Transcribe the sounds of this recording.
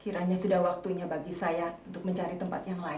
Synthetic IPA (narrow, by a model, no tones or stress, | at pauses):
kiɾaɲasudahwak̚t̪uɲabaɡisajaunt̪ʊk̚məɲt͡ʃaɾit̪əmpa̰t̪jaŋlaɪ